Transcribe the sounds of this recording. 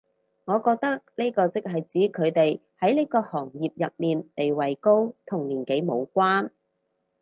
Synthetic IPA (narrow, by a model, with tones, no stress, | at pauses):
ŋɔː˨˧kɔː˧k̚t̪ɐ˥k̚neː˥kɔː˧t͡sɪ˥k̚ɦɐ˨jt͡siː˨˥kʰɵ˨˧ɥt̪e˨jhɐ˨˥jne˥kɔː˧hɔː˨˩ŋjiː˨p̚jɐ˨t̚miː˨nt̪e˨jwɐ˨jko˥wt̪ʰʊ˨˩ŋliː˨˩nke˨˥jmo˨˧wkʷaː˥n